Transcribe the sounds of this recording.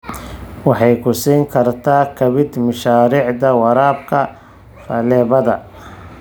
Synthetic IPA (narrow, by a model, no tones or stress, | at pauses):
wɑħɑjkʰʊsiːŋkʰɐrt̪ʰaːkʰɐβɪd̪mɐʃaːɾiːʕd̪ɐwɑɾaːbkʰɐ | fɐlɛːβɐðɐ̰